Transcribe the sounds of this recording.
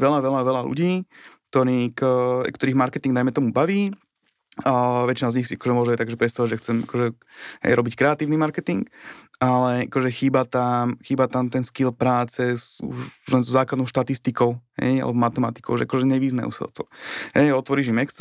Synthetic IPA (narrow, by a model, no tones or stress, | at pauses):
ʋɛlaʋɛlaʋɛlalṵɟiːkt̪ɔɾiːkkt̪ɔɾiːɣmaɾkɛt̪iŋɡd̪najmɛt̪ɔmubaʋiː | ʋɛt͡ʃinazɲixsiakɔʒɛmʊɔʒɛat̪aɡʒɛpɾɛt̪st̪aʋaɟʒɛxt͡sɛma̰kɔʒɛ | ɦɛ̰jɾɔbickɾɛat̪iːʊnimaɾkɛt̪iŋkalɛa̰kɔʒɛxiːbat̪amxiːbat̪amt̪ɛnskilpɾaːt͡sɛsṵʒlɛnzzaːklad̪nɔʊʃt̪at̪ist̪ikɔʊɦɛ̰ja̰lɛbɔmat̪ɛmat̪i̥kɔʊʒɛ̰akɔʒɛɲɛʋiznɛ̰ṵsɛ̰lt͡sɔ̰hɛjɔt̪ʋɔɾiːʒimɛks